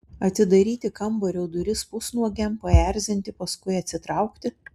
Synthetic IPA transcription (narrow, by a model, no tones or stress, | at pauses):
ɐt̪ʲɪd̪ɐɾʲiːt̪ʲɪkɐmboɾʲɛʊd̪ʊɾʲɪspʊsnuɔɡʲɛmpɐæˑɾʲzʲɪnʲt̪ʲɪpɐskʊɪɐt̪ʲsʲɪt̪ɾɑʊkt̪ʲɪ